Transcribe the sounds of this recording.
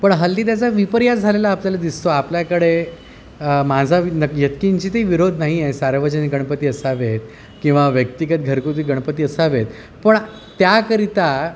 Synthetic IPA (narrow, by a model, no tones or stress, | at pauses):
pəɳɦəlt̪iːt̪̬jat͡saʋipəɾjad͡zʱalelaːpljalad̪ist̪oapljakəɽe | mad͡zʱanəjət̪kiɲt͡ɕiːt̪eiʋiɾod̪ʱnaɦijesaɾʋət͡ɕəniɡəɳpət̪iːəsaʋet̪ | kĩw̃ʋaʋjək̚t̪ikət̪̚ɡʱəɾkut̪iːɡəɳ̃pət̪iːəsaʋet̪ | pəɳ | t̪jakəɾit̪a